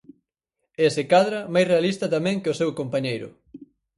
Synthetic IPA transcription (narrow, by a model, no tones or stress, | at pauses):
ɛsɪkaðɾɐmajsrealist̪ɐt̪amɛ̃ŋkɪosewkompaɲejɾʊ̰